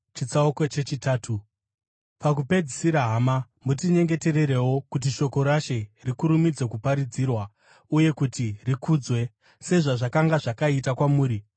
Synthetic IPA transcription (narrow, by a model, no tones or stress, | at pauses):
t͡ʃit͡saoko̞t͡ʃe̞t͡ʃitaːtʰu | pak̬upe̞d͡zisiɾaɦama | mutiɲe̞ŋɡe̞te̞re̞ɾewo̞kut̬iʃo̞ko̞ɾaʃe̞rikuɾumid͡zwe̞kupaɾid͡zirwa | uje̞kutirikuːd͡zwe̞ | se̞ʐaʐakaŋɡaʐakaitakwamuːɾi